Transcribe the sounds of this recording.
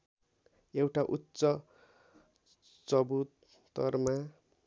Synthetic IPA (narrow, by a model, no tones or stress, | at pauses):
ewʈaʔutsʌ | t͡sʌbut̪ | t̪ʌ̰rma